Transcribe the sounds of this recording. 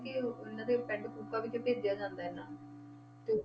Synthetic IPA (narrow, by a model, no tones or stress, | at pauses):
kɪɪnãːd̪epɛ̃ɳɖkuːpaːʋɪt͡ʃːepeːd̪ejaːd͡ʒãːnd̪aːɦɛnaː | t̪eː